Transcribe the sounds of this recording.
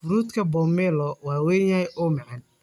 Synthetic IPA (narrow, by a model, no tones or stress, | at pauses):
ʊɾuːt̪kʰɐbɔːmɛlɔwɑːwɛːjɐhɛjʔɔːmɑʕɑn